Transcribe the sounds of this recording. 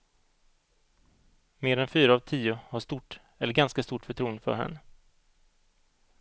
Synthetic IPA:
meːɾɛnfyːɾaːvt̪ʰiːʊhaʂt̪uʈ | ɛlːəɾɡanskast̪uːʈfœʈʰɾuːənd̪fœ̰ɾhɛ̰nːə

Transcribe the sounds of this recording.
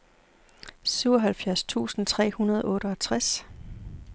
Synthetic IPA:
syʊɒɦælfjæɐst͡sʰṵːsn̩t͡sʰʁɛ̰ːhunɐð̞ˠʔɔ̽ːɾ̥əɒt͡sʰʁas

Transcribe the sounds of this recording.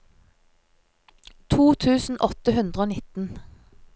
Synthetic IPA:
t̪ʰuːt̪ʰʉːsn̩ʔɔt̪əhʉnd̪ʁəoːnɪt̪n̩

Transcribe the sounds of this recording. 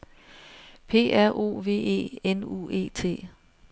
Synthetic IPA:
pʰe̝̰ːæɐ̰ʔo̝̰ːʋe̝̰ːe̝̰ːenṵːe̝̰ːt͡sʰe̝̰ː

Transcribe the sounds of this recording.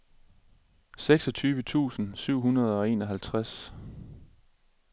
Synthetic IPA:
seɡ̥sɒ̽t͡sʰyːʋət͡sʰṵːsn̩syʊ̰ɦunɐð̞ˠɒ̽e̝̰ːnɒ̽ɦælt͡sʰʁas

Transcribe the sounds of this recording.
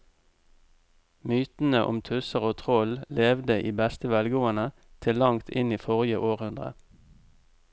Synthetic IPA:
myːt̪n̩əʔɔ̰mt̪ʰʉsəʁoːt̪ʰʁɔlleːʋd̪əʔiːbɛst̪əʋɛlɡoːənə | t̪ʰɪlːɑŋt̪ʰɪniːfɔʁɪjəʔoːʁhʉnd̪ʁə̰

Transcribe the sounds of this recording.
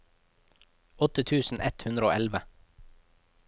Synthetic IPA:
ɔt̪ət̪ʰʉːsn̩ʔɛt̪hʉnd̪ɾəo̰ːʔɛlʋə

